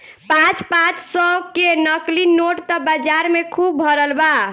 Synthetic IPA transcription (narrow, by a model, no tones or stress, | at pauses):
pãt͡ʃpãt͡ʃsɔkenəklinoʈt̪ɔbəd͡ʒaɾmekʰubʱəɾəlba